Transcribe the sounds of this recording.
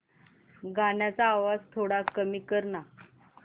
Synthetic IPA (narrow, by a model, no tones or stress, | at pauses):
ɡanjat͡saːʋad͡zt̪ʰoɽakəmiːkəɾɳa